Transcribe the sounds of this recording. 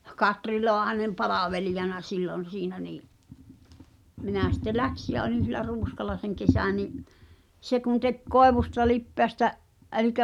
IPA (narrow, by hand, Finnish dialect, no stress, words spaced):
kɑtri loɑhɑnem pɑlɑʋelijɑnɑ silːon̞ siːnæ niːʔ minæˑ sitːe læksi jæ olin̞ silːæ ruːskɑlˑɑ seŋ kesæˑ niʔ se kun tek koeʋustɑ lipːeæstæ ʔɛlikæ